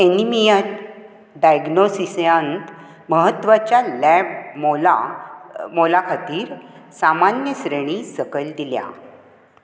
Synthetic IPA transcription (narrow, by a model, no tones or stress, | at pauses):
enimijən | ɖajɡnosisjãnt̪ | məɦət̪ːʋat͡ɕjalɛbmola | molakʰat̪iːɾsamanjəsɾeɳ̃isəkəld̪ilja̰